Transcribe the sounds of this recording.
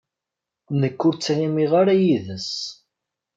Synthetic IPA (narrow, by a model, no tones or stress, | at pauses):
nəkːʊɾt͡sːæjimiʁaɾæjiðəs